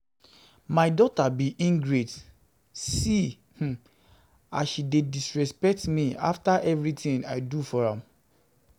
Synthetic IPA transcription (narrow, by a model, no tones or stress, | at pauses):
maɪdɔtabiʔĩŋɡɹet | si | h̩ | aʃidedisɹɛspɛk̚tmiaftaʔɛvɹitĩŋaɪdufɔɹãm